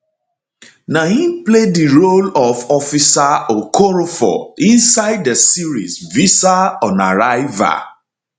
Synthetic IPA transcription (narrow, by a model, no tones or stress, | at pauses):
nahiplediɹolɔvɔfisaokoɾofɔ̰ĩnsaɪddəsiɹḭsvisaɔ̃na̰ɾaɪva̰